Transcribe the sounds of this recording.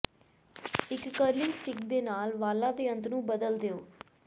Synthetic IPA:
ɪkːəɾlɪŋɡsʈɪkd̪eːnaːlʋaːlãːd̪eːə̃nt̪nũːbəd̪əld̪eːoː

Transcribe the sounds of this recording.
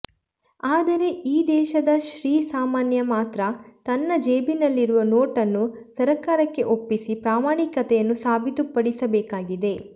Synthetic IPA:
aːd̪ɐɾe̞ʔiːd̪ɛːʃɐd̪ɐʃɾiːsaːmaːnjɐmaːt̪ɾɐt̪ɐnːɐd͡ʒeːbinɐlːiɾuʋɐnoːʈɐnːusɐɾɐkaːɾɐkːe̞ʔo̞pːisipɾaːmaːɳikɐt̪ɛjɐnːusaːbʱit̪upːɐɽisɐbɛːkaːɡid̪e̞

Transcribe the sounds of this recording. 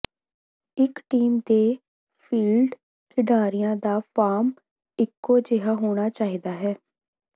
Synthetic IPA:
ɪkʈiːmd̪eː | pʰiːlɖ | kʰɪɖaːɾijãːd̪aːpʰaːɾm | ɪkːoːd͡ʒeɦaːɦoːɽ̃aːt͡ʃaːɦiːd̪aːɦɛː

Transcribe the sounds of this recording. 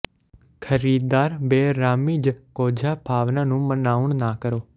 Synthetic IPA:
kʰəɾiːd̪d̪aːɾbeːɾaːmiːd͡ʒkoːd͡ʒʱaːbʱaːʋnaːnũːmənaːʋʊɳnaːkəɾoː

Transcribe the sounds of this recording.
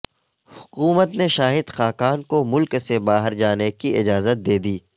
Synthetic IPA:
hʊ̥kuːmət̪neʃaːɦɪd̪xaːkaːnkomʊlksebaːɦəɾd͡ʒaːnekiɪd͡ʒaːzət̪̚d̪eːd̪iː

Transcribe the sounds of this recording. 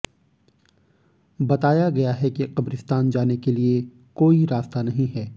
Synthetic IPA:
bɐt̪aːjaɡɐjaɦɛkiqɐbɾɪst̪aːnd͡ʒaːnekelie | koːiɾaːst̪anɐɦĩɦɛː

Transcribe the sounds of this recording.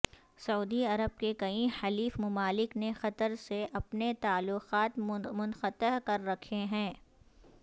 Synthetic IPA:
sɐuːd̪iɐɾəb̚kekɐĩxɐliːfmɐmaːlɪknexɐt̪əɾseʔɐpnet̪aːlːʊqaːt̪mʊnxət̪əɦkɐɾːɐkʰeɦɛ̃ː

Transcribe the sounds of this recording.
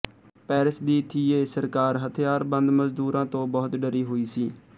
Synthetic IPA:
pɛːɾəsd̪iːt̪ʰiːeːsəɾkaːɾɦət̪ʰjaːɾbənd̪məzd̪uːɾãːt̪õːbɔːt̪ɖəɾiːɦoːiːsiː

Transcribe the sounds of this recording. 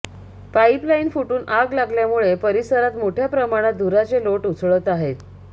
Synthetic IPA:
paiplainfuʈuːnʔaɡlaɡljamuɭepəɾisəɾat̪moʈʰjapɾəmaɽ̃at̪̚d̪ʱuɾat͡seloʈut͡sʰɭət̪aɦet̪

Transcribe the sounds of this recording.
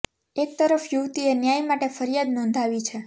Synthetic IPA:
ek̚t̪əɾəfjuʋt̪ienjajmaʈefəɾjad̪nõnd̪ʱaʋit͡ʃʰe

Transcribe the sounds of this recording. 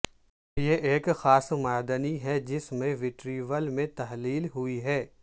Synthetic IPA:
jeʔeːkxaːsmaːd̪əniɦɛd͡ʒɪsmẽʋɪʈɾiːʋəlmẽt̪ɐɦliːlɦʊiɦɛː

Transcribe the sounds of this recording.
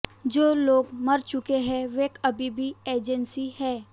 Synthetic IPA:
d͡ʒoːloːɡmɐɾt͡ʃʊkeɦɛ̃ʋeːkɐbʱibʱieːd͡ʒənsihɛː

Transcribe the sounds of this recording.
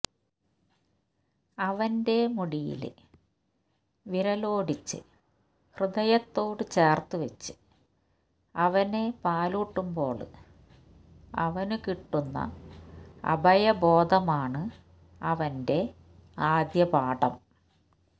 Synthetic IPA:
ɐʋɐnde̞muɽijḭl | ʋiɾɐloːɽit͡ɕːɨ̰ | hrɨd̪ɐjɐt̪ːo̞ːɽɨt͡ɕe̞ːrt̪uʋɐt͡ɕːɨ̥ | ɐʋɐne̞paːluːʈːumbo̞ːɭɨ | ɐ̰ʋɐnukiʈːunːɐ̰ | ɐ̰bʱɐjɐbo̞ːd̪ʱɐmaːɳɨ | ɐʋɐnde̞ | aːd̪jɐpaːɽɐ̰m

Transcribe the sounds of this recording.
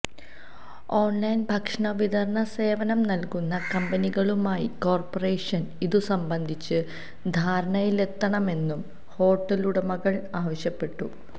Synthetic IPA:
oːnlɐjnbʱɐkʂɳɐʋid̪ɐɾɳɐse̞ːʋɐnɐmnɐlkunːɐkɐmbɐniɣɐɭumaːjiko̞ːrpore̞ːʂɐniðusɐmbɐnd̪ʱit͡ɕːɨ | d̪ʱaːɾɐɳɐjile̞t̪ːɐɳɐme̞nːum | ho̞ːʈːɐluɽɐmɐɣɐɭaːʋɐɕjɐpːe̞ʈːu

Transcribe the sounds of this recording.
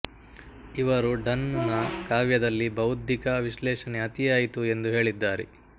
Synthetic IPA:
iʋɐɾuɖɐnnɐkaːʋjɐd̪ɐlːibɐwud̪ʱikɐʋiʃlɛːʃɐneɦɐt̪ijaːjit̪ue̞nd̪uɦe̞ːɭid̪ːaːɾḛ

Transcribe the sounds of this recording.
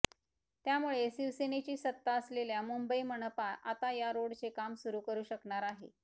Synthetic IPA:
t̪jamuɭesiʋsenet͡ɕiːsət̪ːaəsleljamumbəiməɳəpaʔat̪ajaɾoɽt͡sekamsuɾuːkəɾuːɕəkɳaɾaɦḛ

